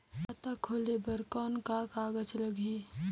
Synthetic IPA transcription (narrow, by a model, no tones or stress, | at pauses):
ət̪akʰoːlebəɾkɔːnkakaːɡəd͡ʒləɡʱi